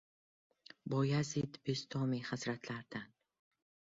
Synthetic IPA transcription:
bɒjazit̪best̪ʰɒmihazɾat̪ʰlaɾd̪an

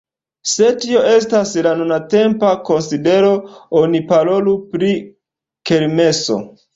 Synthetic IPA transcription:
se̞tio̞e̞staslanunate̞mpako̞nside̞ɾo̞onipaɾo̞lupɾi | ke̞ɾme̞so̞̰

